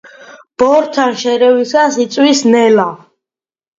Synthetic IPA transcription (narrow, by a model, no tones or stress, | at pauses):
b̥ɔɾt̪ʰanʃɛɾɛwisasit̪sʼwisnɛla